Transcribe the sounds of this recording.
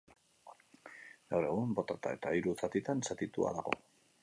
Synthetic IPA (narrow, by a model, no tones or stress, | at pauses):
ɡawre̞ɣ̞umbo̞t̪at̪ae̞t̪aiɾut͡sat̪it̪ansat̪it̪ua̰ðaɣo̞̰